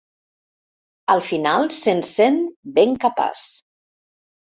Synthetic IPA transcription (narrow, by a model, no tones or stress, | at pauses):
əlˠfinalˠsensenbeŋkapa̰s